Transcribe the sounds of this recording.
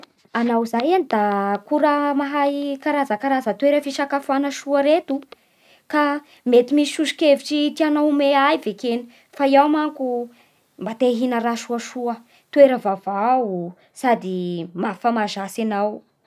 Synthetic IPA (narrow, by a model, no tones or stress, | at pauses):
anawzajanid̪akuɾəmaɦajkaɾazəkaɾazət̪weɾəfiʃakafanəʃuəɾet̪u | ka | met̪imisiʃuʃi̥keviʈ͡ʂit̪ianawmeajvekeni̥ | faiawmaŋku | mbat̪eɦinəɾaʃuəʃuə | t̪weɾəvavau | sad̪imafamaʒasanaw